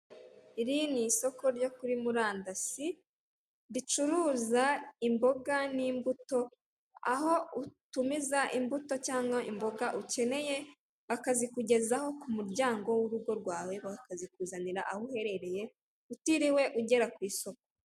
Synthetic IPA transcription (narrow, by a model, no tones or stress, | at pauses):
iɾiniso̞ko̞ɾɟo̞kuɾimuɾaːndasi | dit͡ʃuɾuːzaimbo̞ɡaniːmbuto̞ | a̰ho̞utumizaʔimbuto̞caːŋɡaʔimbo̞ɡaʔuce̞ne̞je̞ | βakazikuɟe̞zaho̞kumuɾɟaːŋɡo̞wuɾuɡo̞ɾɡwaːwe̞βakazikuːzaniɾaʔahuhe̞ɾe̞ɾe̞je̞ | utiɾiwe̞ʔuɟe̞ɾakwiːso̞k̚o̥